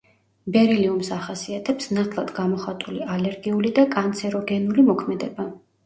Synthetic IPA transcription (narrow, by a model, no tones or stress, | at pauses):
bɛɾiliumsaχasiat̪ʰɛpsnat̪ʰlˠad̪ɡamɔχat̪ʼulialɛɾɡiulid̪akʼant̪sʰɛɾɔɡɛnulimɔkʰmɛd̪ɛba